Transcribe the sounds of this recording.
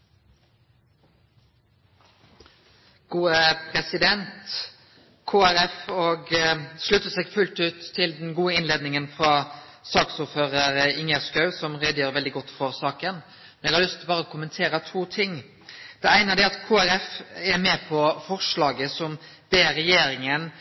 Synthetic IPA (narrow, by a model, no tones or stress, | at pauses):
ɡ̥uːəpʰɾɛsɪd̪ɛnt̪ | kʰoːæɾɛfɔːɡslʉt̪ːəsɛːɡfʉlt̪ʉːt̪ʰːɪld̪ɛnɡuːəɪnleːd̪nɪŋənfʁɑsɑːksʊːɾføːʁəɾəɪŋjæskɑʉsɔmʁɛːd̪əjøːɾʋɛld̪ɪɡɔt̪ːfɔɾsɑːkən | mɛnɛɡhɑlʏst̪bɑːɾəɔkʰʊmənt̪ʰeːɾət̪ʰuːt̪ʰɪŋ | d̪̥ɛæɪnəd̪ɛɑt̪kʰoːæɾɛfɛmɛːpʰɔfɔʁʂlɑːɡəsɔmd̪̥eːɾɛjeːɾɪŋən